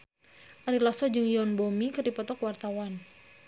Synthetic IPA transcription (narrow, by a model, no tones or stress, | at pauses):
ʔaɾilasɔd͡ʒɨŋjɔnbɔmikɨrdipɔt̪ɔkwart̪awan